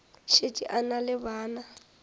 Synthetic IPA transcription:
ʃetʼiʔanalɪbaːna

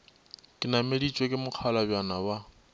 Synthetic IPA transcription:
kʼɪnamedit͡ʃʼwekʼɪmʊq͡χʰalabjanawa

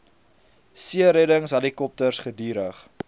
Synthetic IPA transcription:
siəɾɛdəŋsɦɐlikɔp̚tərsχədiːɾəχ

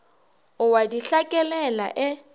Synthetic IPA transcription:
ʊwadiɬakʼɛlɛla̰ʔɪ

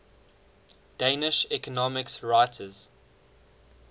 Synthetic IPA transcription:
d̥eɪnɪʃɛkɔnɔmɪksɹaɪtʰəz̥

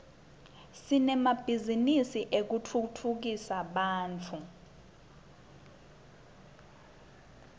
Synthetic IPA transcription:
sinɛmab̥ʱizinisiʔek̬utʰutʰuk̬isaɓaːnt͡fʰu

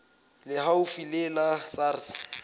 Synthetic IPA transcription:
lɪhaʊfilɛlasaːrs

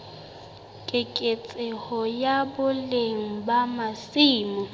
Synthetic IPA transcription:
kʼɪkʼet͡sʼɪhɔjabʊleŋ̩bamasiːmɔ

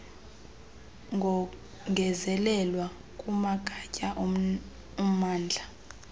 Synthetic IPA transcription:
ŋɡʱɔ | ŋʱɛzɛlɛlwa | kʼumakʼʰacʼaʔ | um̩aːnd͡ɮʱa

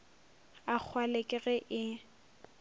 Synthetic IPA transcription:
ak͡xʰwalekʼɪɣɛʔɪ

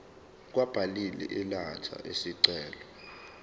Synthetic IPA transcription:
k̬wab̥ʱalilɛ̰ʔilat͡ʃʰa̰ʔesiǀɛːlɔ

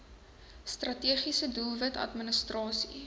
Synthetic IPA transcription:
strɐtiəχisədulˠvətɐ̰tmənəstrɑːsḭ

